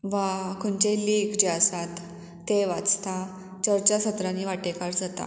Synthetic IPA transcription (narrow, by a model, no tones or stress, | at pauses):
ʋakuɳt͡ɕeliːɡd͡ʑeasat̪ː | eʋat͡st̪ʰa | t͡ɕəɾt͡ɕasət̪ɾaniːʋaʈekaɾd͡zat̪a̰